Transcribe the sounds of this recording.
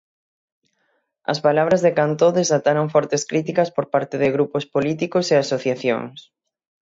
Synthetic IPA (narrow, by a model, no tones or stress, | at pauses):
ɐ̰spalaβ̞ɾɐzðekant̪oðesat̪aɾoŋfɔɾt̪eskɾit̪ikɐspoɾpaɾt̪eðɪɣɾupospolit̪ikoseasoθjaθjo̰ŋs